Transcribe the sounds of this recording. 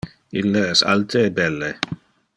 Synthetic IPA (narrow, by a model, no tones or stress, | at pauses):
ilːeɛsa̰lt̪ʰeːbɛlːe